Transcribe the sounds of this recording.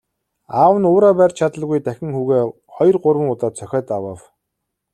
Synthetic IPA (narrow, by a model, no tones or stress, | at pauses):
aːwə̆nʊːɾaːpæːrʲt͡ɕʰat̪ə̆ɮɣujt̪æxʲɪ̆ŋxuːɣeː | χɔjrɢʊrwə̆ŋʊt̪aːt̪t͡sʰœxʲɔːt̪awə̆w